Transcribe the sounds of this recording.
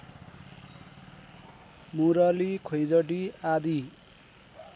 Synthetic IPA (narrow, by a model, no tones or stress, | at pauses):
muɾʌlikʰojd͡zʌʈiad̪i